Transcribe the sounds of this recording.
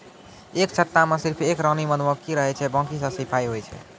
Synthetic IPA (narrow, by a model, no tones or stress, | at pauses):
ekt͡ʃʰət̪ːamesiɾpʰekɾənimənʋəkiɾəɦɛt͡ʃʰɛbə̃kisə̃sipʰaiɦojt͡ʃʰɛ̰